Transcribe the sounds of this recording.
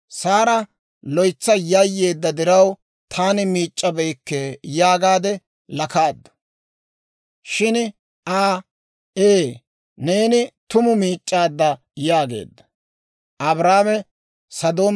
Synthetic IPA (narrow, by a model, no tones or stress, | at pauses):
saːɾɐ | lɔjt͡sːɐjajːe̞ːd̪ːɐd̪ɪɾɐw | t̪ʰaːnɪmiːt͡ʃʼːɐbɛjkːɛjaːɡaːd̪ɛ | lɐkaːd̪ːɐ̥ | ʃɪn | ʔaː | eː | ne̞ːnɪt̪ʊmʊmiːt͡ʃʼːaːd̪ːɐ | jaːɡe̞̰ːd̪ːɐ̥ | ʔɐbɾaːmɛ | sɐd̪o̞ːm